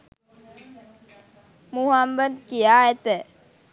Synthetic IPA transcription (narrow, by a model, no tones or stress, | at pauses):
muɦambənt̪̚kijaɛt̪ə